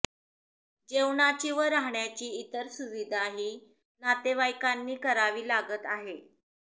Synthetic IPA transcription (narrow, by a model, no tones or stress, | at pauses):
d͡ʑeʋɳat͡ɕiːʋəɾːaɦɳjat͡ɕiːt̪əɾsuʋid̪aɦiː | nat̪eʋajkanːiːkəɾaʋiːlaɡət̪aɦe